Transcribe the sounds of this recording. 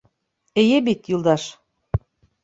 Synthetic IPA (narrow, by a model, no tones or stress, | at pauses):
ejebit̪jylˠd̪ɑʃ